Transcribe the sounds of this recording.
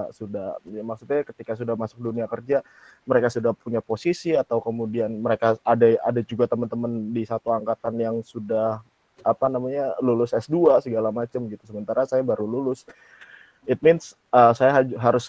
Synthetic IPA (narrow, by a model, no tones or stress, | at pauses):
sudahjamaksʊt̪̚ɲakət̪ikasudahmasʊk̚duniakərd͡ʒa | məɾekasudahpuɲaposisiat̪awkəmudianməɾekaadaa̰dad͡ʒuɡat̪əmənt̪əməndisat̪uaŋkat̪anjaŋsudah | apanamaɲalulʊsɛsduasəɡalamat͡ʃəmɡit̪u̥səmənt̪aɾasajabaɾululʊs | ɪt̪̚mɪns | əsajaɦaɦaɾʊs